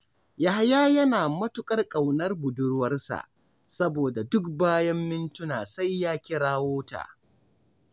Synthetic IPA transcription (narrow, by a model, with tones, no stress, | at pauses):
ja˨ha˦jaː˦jɐ˦naː˨mɐ˦tʊ˦kʼɐ˦rkʼɐ˨wnɐ˦rbʊ˨dʊ˦ɽwɐ˦rsa̰˨ʔ | sɐ˦boː˨da˨dʊ˦kbaː˦jɐ˦mːɪ˦ntʊ˦naː˨sa˦jːaː˦kʲɪ˦ɽaː˦woː˦ta̰ː˨